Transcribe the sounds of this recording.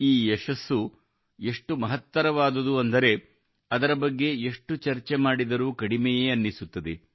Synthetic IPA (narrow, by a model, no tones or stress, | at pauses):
iːeʃɐsːu | eʂʈumɐɦɐt̪ːɐɾɐʋaːd̪ɐd̪uɐnd̪ɐɾe̞ | ɐd̪ɐɾɐbɐɡːe̞ːʂʈut͡ʃɐɾt͡ʃemaːɽid̪ɐɾuːkɐɽimɛje̞ːɐnːisut̪ːɐd̪e